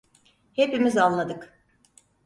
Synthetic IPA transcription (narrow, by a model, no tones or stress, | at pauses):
he̞pimizallːˠad̪ɯk